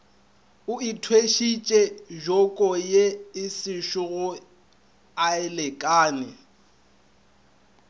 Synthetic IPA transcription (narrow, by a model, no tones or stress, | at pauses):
ʊitʰweʃit͡ʃʼɛʒɔkʼɔjeɪsɪʃʊɣʊ | aɛlɛkʼaːnɪ